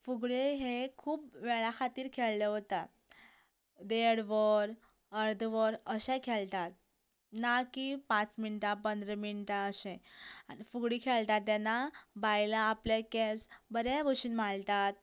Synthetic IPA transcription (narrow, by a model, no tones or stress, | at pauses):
fuɡɭeɦekʰuːpʋeɭakʰat̪iːɾkʰeɭleɦot̪a | d̪eɽʋəɾ | əɾd̪ʱʋəɾəɕekʰeɭt̪at̪̚ | nakipãt͡sminʈapənd̪ɾəminʈaəɕẽanifuɡɽikʰeɭt̪at̪ːanabajlaːplekesbəɾɛ̃boɕuːnm̤aɭt̪at̪̚